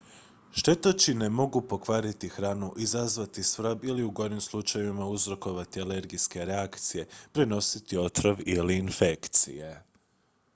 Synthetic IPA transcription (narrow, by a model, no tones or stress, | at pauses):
ʃt̪e̞t̪ot͡ɕine̞mo̞ɡupo̞kʋaːɾit̪ixɾaːnuʔizazʋat̪isʋɾbiliuɡo̞jnimslˠut͡ʃajeʋimauzɾo̞ko̞ʋat̪iale̞ɾɡijske̞ɾe̞akt̪sije̞pɾeno̞sit̪io̞t̪ɾoʋiliːnfe̞kt̪sḭje̞